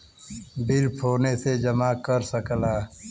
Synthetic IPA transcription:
bɪlpʰoːnesed͡ʒəmakəɾsəklaː

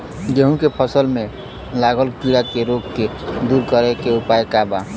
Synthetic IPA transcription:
jeɦũkepʰəsəlmẽ | laɡəlkiɽakeɾoɡked̪uɾkəɾekeupajkaba

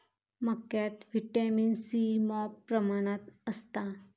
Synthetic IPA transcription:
məkjat̪ʋiʈaminsimɔpːɾəmaɽ̃at̪əst̪a

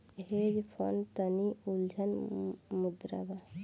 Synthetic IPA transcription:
ɦed͡ʒpʰo̰nt̪əniuld͡ʒʱənmud̪ɾa̰ba

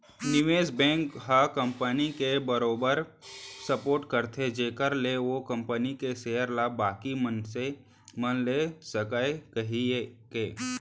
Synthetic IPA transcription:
nɪʋeːsbɛ̃ːŋkɦakə̃mpənikebəɾoːbəɾsəpoːɾʈkəɾt̪ʰed͡ʒeːkəɾleʋokə̃mpənikeseːjəɾlabaːkimənse | mənlesəkaekəɦiekeː

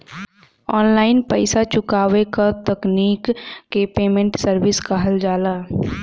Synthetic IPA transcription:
ɔːnlaːɪnpəɪsat͡ʃʊkaːʋekat̪əkniːkːepeːmẽɳʈsəɾʋɪskaɦəld͡ʒaːlaː

